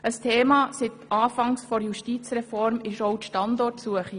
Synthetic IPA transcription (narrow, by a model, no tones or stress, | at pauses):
əstʰeːmɑːsɪt̪ɑːfɑŋsfɔɾjuʃtiːt͡sɾɛfɔɾmɪʃoʊtʃtɑndɔɾtsuəχi